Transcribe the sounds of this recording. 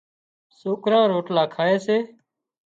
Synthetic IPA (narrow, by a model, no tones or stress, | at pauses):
soːkɾãːɾoːʈlaːkʰaːeːseː